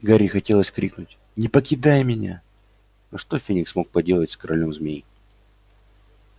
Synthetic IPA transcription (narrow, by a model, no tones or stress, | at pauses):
ɡaɾʲixɐtʲe̞lˠəsʲkɾʲiknʊtʲ | nʲɪpəkʲɪd̪ajmʲɪnʲa̰ | nɐʂt̪ofʲinʲɪksmo̞k̚pɐdʲe̞lˠətʲskəɾʔɐlʲo̞mzmʲeji